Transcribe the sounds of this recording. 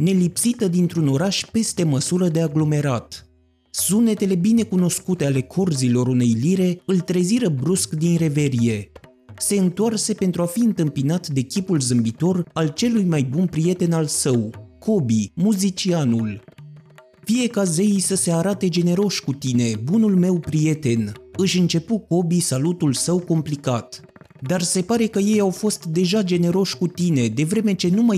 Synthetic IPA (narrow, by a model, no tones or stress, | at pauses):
ne̞lipsit̪əd̪int̪ɾuno̞ɾaʃpe̞st̪e̞məsuɾəd̪e̞aɡlo̞me̞ɾat̪ | sune̞t̪e̞le̞bine̞kuno̞skut̪e̞ale̞kʰo̞rzilo̞ɾune̞jliɾe̞ɨlt̪ɾe̞ziɾəbɾuskd̪inre̞ve̞ɾie̞ | se̞ɨnt̪oarse̞pe̞nt̪ɾuafiɨnt̪ɨmpinat̪d̪e̞kʲipulzɨmbit̪o̞ralt͡ʃe̞lujmajbunpɾije̞t̪e̞nalsəwkʰo̞bimuzit͡ʃianul | fije̞kazeisəse̞aɾat̪e̞d͡ʒe̞ne̞ɾo̞ʃʲkut̪ine̞bunulme̞wpɾije̞t̪e̞nɨʃʲɨnt͡ʃe̞puko̞bisalut̪ulsəwko̞mplikat̪ | d̪arse̞paɾe̞kəje̞jawfo̞st̪d̪e̞ʒad͡ʒe̞ne̞ɾo̞ʃʲkut̪ine̞d̪e̞vɾe̞me̞t͡ʃe̞numa